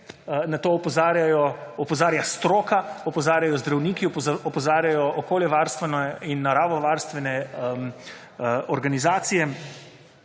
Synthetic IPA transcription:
nat̪oːɔpɔzaːɾjajɔɔpɔzaːɾjast̪ɾoːkaɔpɔzaːɾjajɔzd̪ɾawniːkiɔpɔzaːɾjajɔʔɔkoːljɛʋaɾst̪ʋɛnɔinːaɾaːʋɔʋaɾst̪ʋɛnɛm | ɔɾɡanizaːt̪sijɛ

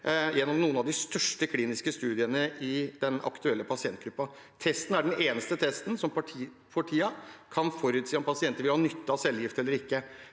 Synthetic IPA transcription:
jɛnːɔmnuːənɑʋd̪ɪst̪œʂʈəkʰliːnɪskəst̪ʉːd̪ɪənəʔɪd̪ɛnɑ̰kt̪ʉɛlːəpʰɑsɪɛnt̪̚ɡɾʉpːɑ | t̪ʰɛst̪n̩æɖɛneːnəst̪ət̪ʰɛst̪n̩sɔmpɑ | pʰɔʈʰiːɑkʰɑnfɔɾʉːt̪siːɔmpʰɑsɪɛnt̪əɾʋɪlhɑːnʏt̪ːɑsɛlːjɪft̪ɛlːəɾɪkːə

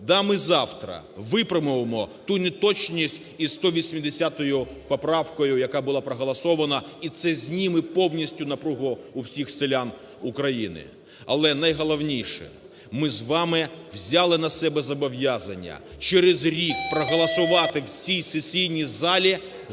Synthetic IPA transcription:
d̪ɑmɪzɑwt̪ɾɐ̰ | ʋɪpɾɪmʊʋemɔt̪unet̪ɔt͡ʃnʲisʲtʲ | ist̪ɔʋʲisʲmʲid̪esʲat̪ɔjʊ | pɔpɾɑwkɔjʊjɐkɑbʊlˠɑpɾɐɦɐlˠɐsɔʋɐnɐit̪sɛzʲnʲimɪpɔwnʲisʲtʲʊnɐpɾuɦʊʊwsʲixselʲan | ʊkɾɐjinɪ̰ | ɐ̰lˠɛnɐjɦɔlˠɐwnʲijʃɛ̰ | mɪzʋɑmɪwzʲalˠɪnɐsɛbɛzɐbɔʋjazɐnʲːɐ̰t͡ʃɛɾɪzɾʲikpɾɔɦɔlˠɐsʊʋɑt̪ɪwsʲijsesʲijnʲizɑlʲi

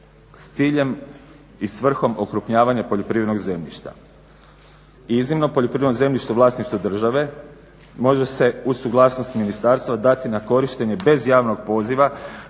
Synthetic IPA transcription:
st̪siːʎe̞m | isʋr̩xo̞mo̞kɾupɲaːʋaɲapo̞ʎo̞pɾiʋed̪noɡze̞mʎʲḭʃt̪a̰ | iznimno̞po̞ʎopɾiʋed̪noze̞mʎʲiʃt̪uʋlˠaːsniʃt̪od̪r̩ʒaʋe̞ | mo̞ʒe̞se̞usuɡlˠaːsno̞st̪minist̪aɾst̪ʋad̪at̪inako̞ɾiʃt̪e̞ɲe̞be̞zjaːʋno̞ɡ̚po̞ːziʋa

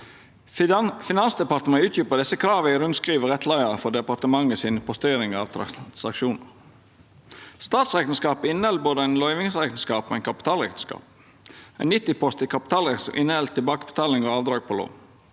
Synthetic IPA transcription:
fɪnɑnsd̪ɛpɑt̪əmɑʉːt̪ʰjyːpəd̪ɛsəkʰɾɑːʋəɪɾʉnskʁiːʋəʁɛt̪ʰlæɪəɾəfɔd̪ɛpɑʁt̪əmɑŋəsiːnpʰɔst̪eːɾɪŋɑːʋt̪ʰɾɑsɑkʃuːnə | st̪ɑːt̪sʁeːk̪n̩skɑːpɪnːəɛl̚boːd̪əæɪnlœʏʋɪŋsʁeːkn̩skɑːpmɛɛɪnkʰɑpɪ̥t̪ʰɑːlʁɛ̰k̪t̪ən̩skɑ̰ːp̚ | æ̰ɪnɪt̪ːɪpʰɔst̪ɪkʰɑpɪ̥t̪ʰɑːlʁɛsʔɪnːəhɛlt̪ʰːɪlbɑːkəbə̥t̪ʰɑːlɪŋoːɑːʋd̪ɾɑːɡ̚pʰoːlo̰ː

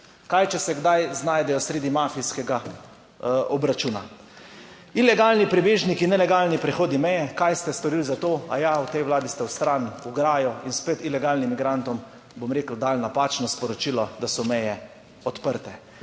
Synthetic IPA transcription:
kajt͡ʃɛsɛɡd̪ajznaːjd̪ɛjɔsɾeːd̪imaːfijskɛɡa | ɔbɾat͡ʃuːna̰ | ilɛɡaːlnipɾibeːʒnikinɛlɛɡaːlnipɾɛxoːd̪nimɛjɛkajst̪ɛst̪ɔɾilzat̪oːa̰jawt̪ɛjʋlaːd̪ist̪ɛwst̪ɾanuɡɾaːjɔinspeːt̪ilɛɡaːlnimːiɡɾant̪ɔm | bomɾeːkəld̪aːlnapaːt͡ʃnɔspɔɾɔt͡ʃiːlɔd̪asɔmɛjɛ | ɔt̪pəɾt̪ɛ

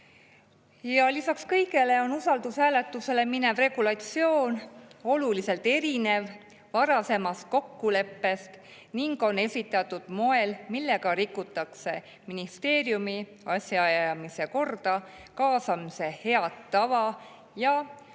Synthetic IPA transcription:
jɑlisɑkskɤjɡe̞le̞o̞nusɑld̪usɦæːle̞t̪ːˑuse̞le̞mine̞vre̞ɡ̥ulɑt̪sio̞ːno̞lulise̞lt̪e̞ɾine̞v | vɑɾɑse̞mɑst̪̚ko̞kːule̞pːe̞st̪ | niŋɡo̞ne̞sʲit̪ːˑɑt̪ːˑud̪̥mo̞e̞lmilːe̞ɡ̥ɑɾikːut̪ːˑɑkse̞ | minist̪e̞ːɾjumi | ɑsʲjɑɑjɑɑmise̞ko̞rd̪̥ɑ | kɑːsɑmise̞he̞ɑt̪ːɑvɑ | jɑ

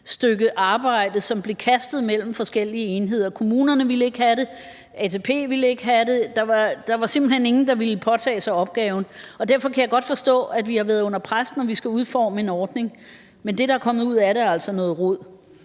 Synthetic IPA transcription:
sd̥øɡ̥əʔɑ̈ːb̥ɑ̈ɪ̰d̥ð̩ˠsɒ̽mb̥le̝kʰæsd̥ð̩ˠmel̰m̩fɒ̽sɡ̥el̰iəenɦe̝ð̞̰ˠɐkʰo̝muːnɐnəʋiləe̝ɡ̥hæɾe̝ | ɛt͡sʰe̝pʰe̝̰ːʋiləe̝ɡ̥ɦæɾed̥ɑ̈ʋɑ̈d̥ɑ̈ʋɑ̈se̝mb̥l̩hene̝ŋn̩d̥ɑ̈ʋiləpʰɒ̽t͡sʰɛ̰ːsɑ̈ɪɒ̽b̥̚ɡ̥ɛːʊn̩ɒ̽d̥æɐfɒ̽kʰæjɑaɪɡ̥ɒ̽d̥fɒ̽sd̥ɔ̰̽ːæd̥ʋihɑ̈ʋæɐðˠɔ̽n̰ɐpʰʁasnɒʋisɡ̥æuðˠfɒːməe̝nɒːd̥ne̝ŋ | mend̥e̝ɾ̥ɑækʰɒ̽mð̩ˠuð̞̰ˠæɐɾeæɐæl̰sɒ̽nɔ̽ːð̩ˠʁoð̰ˠ

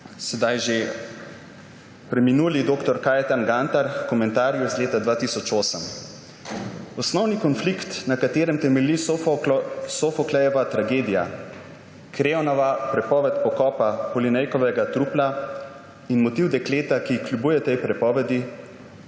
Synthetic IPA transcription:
sɛd̪ajʒe | pɾɛminuːlid̪oːkt̪ɔɾkaːjɛt̪anɡant̪aɾkɔmɛ̃nt̪aːɾjuizleːt̪ad̪ʋaːt̪isɔt͡ʃoːsəm | ɔsnɔwnikɔnflikt̪nakat̪eːɾɛmt̪ɛmɛli | sofɔklɛjɔʋat̪ɾaɡeːd̪ija̰ | kɾeːɔnɔʋapɾɛpɔːʋɛt̪pɔkɔːpapɔlinɛjkɔʋɛɡat̪ɾupla | inmɔt̪iwd̪ɛkleːt̪akiklʲjubuːjɛt̪ɛjpɾɛpɔːʋɛd̪i

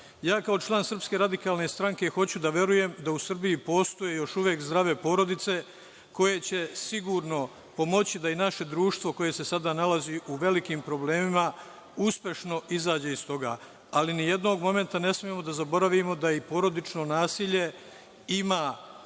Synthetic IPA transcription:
jaːkao̞t͡ʃlˠaːnsr̩pske̞ɾad̪ikaːlne̞st̪ɾaŋke̞xo̞t͡ɕud̪aʋje̞ɾuje̞md̪ausr̩bijipo̞ːst̪o̞je̞jo̞ʃuʋjekzd̪ɾaʋe̞po̞ːɾo̞d̪it̪se̞ | ko̞je̞t͡ɕe̞siɡuːɾno̞ | po̞mo̞t͡ɕid̪ainaʃe̞d̪ɾuːʃt̪ʋo̞ko̞je̞se̞sad̪aːnalaziʔuʋe̞likiːmpɾo̞ble̞ːmima | uspʲje̞ʃno̞izaːd͡ʑeist̪o̞ɡaː | alinije̞d̪no̞ːɡmo̞me̞nt̪ane̞smijemo̞d̪azabo̞ɾaʋimo̞d̪aipo̞ːɾo̞d̪it͡ʃno̞naːsiːʎe̞ | imaː

